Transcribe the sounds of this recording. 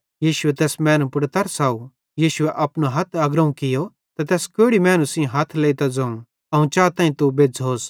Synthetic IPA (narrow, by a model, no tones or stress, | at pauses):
jiːʃʊɛt̪ɛːsmɛːnpʊɽt̪ɐɾsaːu | jiːʃʊɛʔɐpnaɦɐt̪ʰaːɡɾɐũkɪjo | t̪ɐt̪ɛːskoːɽimɛ̃ːnusĩɦɐt̪ʰleːit̪ad͡zɐ̃ːũ | ɐũt͡ʃaːt̪ãːĩt̪ubeːd͡zoːs